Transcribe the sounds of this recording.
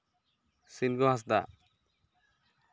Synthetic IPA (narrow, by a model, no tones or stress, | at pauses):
sinɡɔɦas̬d̪a̰